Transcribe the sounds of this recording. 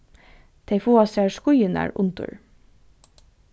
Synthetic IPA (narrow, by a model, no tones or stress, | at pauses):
t̪ʰeɪfuːɑsæːɹskʊjənæ̰ːɹʔʊ̰nt̪ʊ̰ɹ